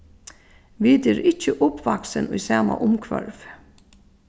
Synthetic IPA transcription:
ʋit̪ɪɾɪt͡ʃəʔʊpʋaksənʊjsaːma̰ʔʊmkʰʋœɾv

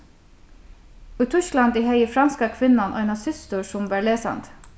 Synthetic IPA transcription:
ʉːt̪ʰʉʃklɑnd̪iːhœɪəfɾɑnskɑkʰʋɪnɑnʔo̰ːenɑsʏst̪əːsʊmʋæːɭeːsɑ̰nt̪

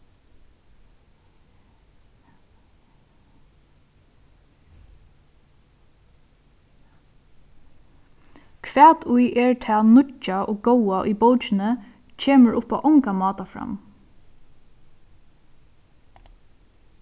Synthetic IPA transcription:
kʰʋɛːt̪ʰujʔɛɹt̪ʰɛːnʊt͡ʃːaʔo̰ːɡowaʔʏ̰bowt͡ʃɪnə | t͡ʃʰeːməɹʔʊpaʔɔŋkamɑːt̪afɾa̰m

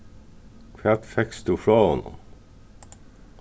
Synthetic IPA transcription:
kʰʋæːt̪fɛkst̪uːfɾɑːhɔnʊ̰m

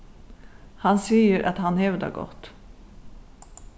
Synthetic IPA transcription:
hansijəɾʔat̪hanhɛvd̪a̰ɡɔ̰t̪ː

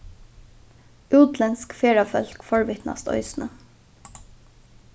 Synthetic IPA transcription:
ʉːt̪lɛnskfeːɹɑfœlkfɔɽʋɪt̪nɑ̰st̪œ̰ʏsnʔə

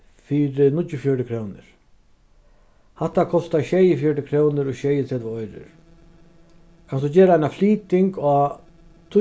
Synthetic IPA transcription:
fiːɾɪnʊt͡ʃjʊfjɔɹʈɪkʰɾoːwnɪ̰ɾ̥ | haht̪ːakʰɔst̪aɕɛːjɪfjœʈɪkʰɾoːwnɪɾɔɕɛːjɪt̪ʰɾɛt̪ʋɪɔjɾɪ̰ɾ | kʰansɔt͡ɕeːɾaajnafliːt̪ɪŋkɔː | t̪ʰʊ

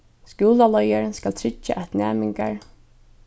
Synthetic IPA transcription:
skuːlalɔjaɾskalt̪ʰɾɪt͡ʃːa̰ʔæt̪næ̰ːmɪŋkaɹ

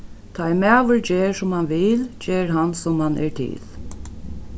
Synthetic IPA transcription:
t̪ʰajmæːʋəɹd͡ʑeːɹsʊmhanʋɪːld͡ʒeːɹɦansʊmhanʔɛ̰ɹt̪ʰɪ̰l

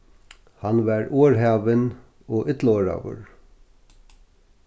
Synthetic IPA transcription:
hanʋaɹoːɹɦaːʋɪn | ɔːʔɪt̪loːɹa̰ːʋʊ̰ɹ

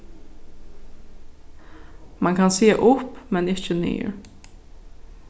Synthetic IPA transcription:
mɑŋkʰɑnseːʔʊpmɛnɪçəny̰ːɹ

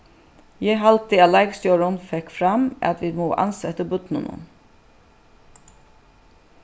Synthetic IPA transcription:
jɛɦɑlt̪ɪɑlɑɪɡst̪joːɹʊnfɛkfɾɑmʔɑ̰t̪ʋiːd̪moːʔɑ̰nsɛt̪əbʉt̪nə̰nə̰n

